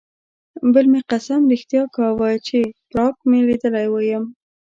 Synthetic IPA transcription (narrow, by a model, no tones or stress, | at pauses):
bəlmeqasamɾixt̪jɑkawəjt͡ʃepɾɑkmelid̪əlajwəjəm